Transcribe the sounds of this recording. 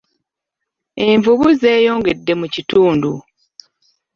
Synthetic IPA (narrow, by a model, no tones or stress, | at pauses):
eɱvuβuze̞ːjoːŋɡe̞dːe̞mucituːndu